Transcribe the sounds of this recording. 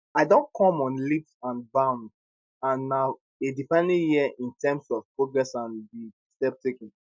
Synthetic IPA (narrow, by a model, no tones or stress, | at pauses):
aɪdõnkʰɔ̃mɔ̃nlipsãnbãʊ̃nd | ãnːa | edifãnlijiəʔĩntʰɛmsɔv̥pɹoɡɹɛsãnbi | stɛp̚tʰekɛ̃n